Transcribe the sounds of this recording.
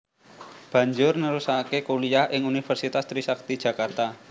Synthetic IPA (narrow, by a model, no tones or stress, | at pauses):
b̥ä̤ɲd͡ʒʊrnəɾusakekuliahʔɪŋunifərsit̪ast̪ɾisak̚t̪i̥d͡ʒ̥ä̤kart̪a